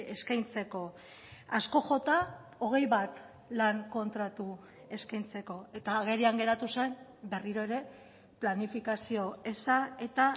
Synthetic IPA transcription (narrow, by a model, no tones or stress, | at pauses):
e̞skajnt͡se̞ko̞ | asko̞xo̞t̪ao̞ɣ̞e̞jβat̪ | laŋko̞nt̪ɾat̪u | e̞skajnt͡se̞ko̞e̞t̪aːɣ̞e̞ɾiaŋɡe̞ɾat̪use̞mbe̞riɾo̞eɾe̞ | planifikasio̞e̞sae̞t̪a